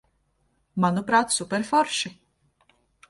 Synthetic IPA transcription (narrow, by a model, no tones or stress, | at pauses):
manupɾaːt̪supʲɛɾfɔɾʃɪ